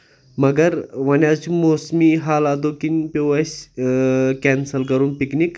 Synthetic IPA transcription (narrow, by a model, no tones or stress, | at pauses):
mɐɡɐɾʋɐnʲaːt͡ʃʰumoːsmiːɦaːlaːd̪oːkinʲpʲoɐsʲ | kɛnsɐlkɐɾunpiknik